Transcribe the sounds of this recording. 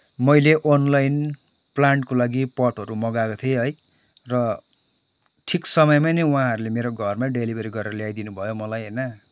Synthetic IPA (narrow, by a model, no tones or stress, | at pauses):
mʌjleʔonlajn | plaɳʈkolaɡipʌʈɦʌɾumʌɡakot̪ʰjeʌɦʌj | rʌ | ʈʰiksʌmʌjmanʌwãɦʌɾulemeɾoɡʱʌrmaɖelibʱʌɾiɡʌɾeɾʌljajd̪inubʱʌjomʌlajɦʌjnʌ